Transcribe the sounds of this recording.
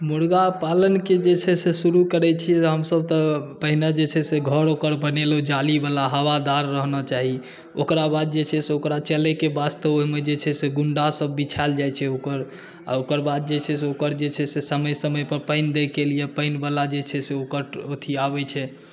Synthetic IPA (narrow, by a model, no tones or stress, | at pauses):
muɽɡapalənked͡ʒet͡ʃʰɛsesuɾukəɾɛt͡ʃʰiɦəmsəb̚t̪əpəɦinad͡ʒet͡ʃʰɛseɡʱəɾokəɾbənelod͡ʒalibalaɦəwad̪aɾːəɦnɔt͡ʃaɦi | okɾabad̪̚d͡ʒet͡ʃʰɛseokɾat͡ʃɛlɛkebast̪əboɦmed͡ʒet͡ʃʰɛseɡuɳɖasəbːit͡ʃʰald͡ʒajt͡ʃʰɛokəɾ | a̰okəɾbad̪̚d͡ʒet͡ʃʰɛseokəɾd͡ʒet͡ʃʰɛsesəməjsəməjpəɾpəɪnd̪ekelijepəɪnbalad͡ʒet͡ʃʰɛseokəɾot̪ʰiabɛt͡ʃʰɛ